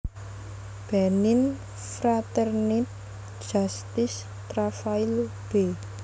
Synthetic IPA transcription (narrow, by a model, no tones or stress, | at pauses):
b̥ɛnɪn | fɾat̪ɛrnit̪̚ | ʒ̥ast̪ɪs | t̪ɾafail | b̥e